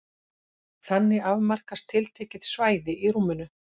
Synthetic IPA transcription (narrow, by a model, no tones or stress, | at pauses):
θanːɪavmar̥kast̪ʰɪlt̪ʰɛːcɪðsvaːjðɪʔiɾuːmʏnʏ